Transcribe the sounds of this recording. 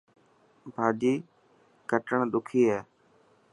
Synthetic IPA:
bʱaːd͡ʒiː | kəʈəɳ̃ɗ̪ʊkʰiːɦɛː

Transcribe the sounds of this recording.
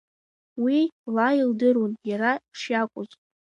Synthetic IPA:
wilaildɨɾunjaɾapʂjakʷʼʊzʼ

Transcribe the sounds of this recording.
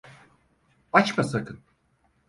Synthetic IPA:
at͡ʃmasakɯn

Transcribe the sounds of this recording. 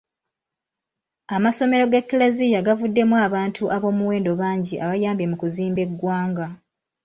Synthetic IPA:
amaso̞me̞ɾo̞ɡekːilezijaɡavudːe̞mwaːβaːntʰuʔaβo̞ːmuwe̞ːndo̞βaːɲɟiʔaβajaːmbe̞mukuziːmbe̞ɡːwaːŋɡa

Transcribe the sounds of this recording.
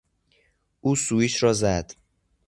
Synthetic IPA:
ʔuːsuːiːʃɾɒːzæd̪̥

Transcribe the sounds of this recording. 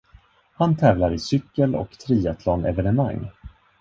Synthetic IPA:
hant̪ʰɛːvlaɾɪsʏkːəlɔ̰kt̪ʰɾiːat̪ʰlɔːnɛvɛnəma̰ŋː

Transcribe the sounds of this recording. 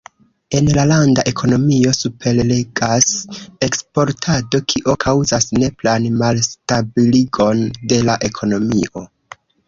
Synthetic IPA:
e̞nlalandaʔe̞kʰo̞no̞mio̞supe̞lle̞ɡase̞kspo̞ɾtʰado̞kʰiʔokʰawzasne̞planmalstabiliɡo̞nde̞laʔe̞kʰo̞no̞miʔo̞

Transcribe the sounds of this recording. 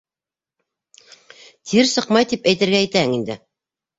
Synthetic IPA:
t̪ʰiɾsɤqmɑjt̪ipæjt̪ɘ̆ɾɡæːjt̪æhɘŋind̪ɘ̰

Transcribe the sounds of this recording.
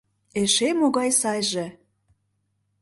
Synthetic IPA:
eʃemoɣɑjsɑjʒĕ

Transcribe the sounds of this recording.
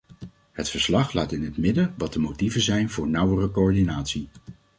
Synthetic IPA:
ɦətfəɹslɑχlaːtɪnɦətmɪdəʋɑt̚dəmowtivənzɛjnvʊːɹnʌwərəkoɔɹdinaːtsi

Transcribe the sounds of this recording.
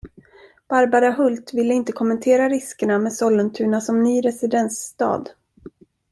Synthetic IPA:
b̥aɾbaɾaɦɵlt̪vɪlːəɪnt̪əkʰɔmːɛnt̪ʰeːɾaɾɪskəɳamɛsɔlːənt̪ʰʉ̟ːɳasɔmnyːɾɛsɪd̪ɛnsːt̪ɑ̰ːd̪

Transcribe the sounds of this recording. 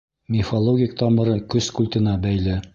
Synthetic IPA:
mʲɪfɐlˠoɡʲɪk̚t̪ɑmɤ̆ɾɤkɵskulʲt̪ʲɘ̆nɑbæjlɘ

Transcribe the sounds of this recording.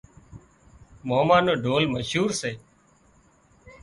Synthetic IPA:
moːmaːnoːɖʱoːlməʃuːɾseː

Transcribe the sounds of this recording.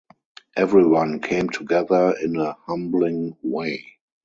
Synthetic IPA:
ʔɛvɹiwãnkʰẽɪ̃mtʰuɡɛðə˞ɪ̃nəhãmblɪ̃ŋweɪ

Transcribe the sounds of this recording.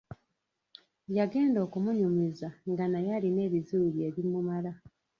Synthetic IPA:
jaɡe̞ːndo̞ːkumuɲumizaŋɡanajaline̞ːβizulie̞βimumala

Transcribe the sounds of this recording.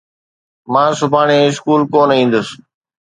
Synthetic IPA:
mãːsʊbʱaːɳẽːɪskuːlkoːnəĩːn̆d̪əs

